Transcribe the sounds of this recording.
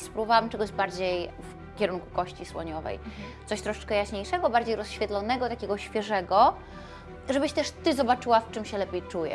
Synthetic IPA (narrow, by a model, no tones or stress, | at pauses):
spɾuvawamtt͡ʂɛɡɔʑbaɾd͡ʑejf | kʲɛɾuŋku̥kɔɕt͡ɕiswɔ̰ɲɔvɛ̰jt̪sɔɕt̪ɾɔʂɛ̥t͡ʂkɛjaɕɲejʂɛɡɔbaɾd͡ʑejɾɔsɕfʲɛt̪lɔnɛɡɔt̪akʲeɛɡɔɕfʲjɛʐɛɡɔ | ʐɛbɘɕt̪ɛʂt̪ɘzɔbat͡ʂɘwaft͡ʂɘmɕɛlɛpʲejt͡ʂujɛ̰